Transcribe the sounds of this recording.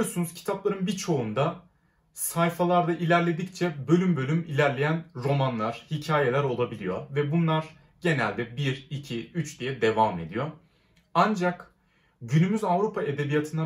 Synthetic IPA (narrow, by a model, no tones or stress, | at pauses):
ijosunuzcʰi̥t̪ʰaplˠaɾɯnbit͡ʃʰo̞und̪a | sajfalˠaɾd̪aʔilʲæɾlʲe̞d̪ict͡ʃʰɛbø̞lʲymbø̞lʲymilʲæɾlʲe̞jænɾo̞manlˠaɾ̥hicʰaːje̞lʲæɾo̞lˠabilʲijovɛbunlˠaɾ | ɟ̥e̞nælʲd̪ɛbiɾicʰiyt͡ʃd̪ijɛd̪e̞vame̞d̪ijo | and͡ʒak | ɟynymyzavɾupʰae̞d̪e̞bijat̪ʰɯna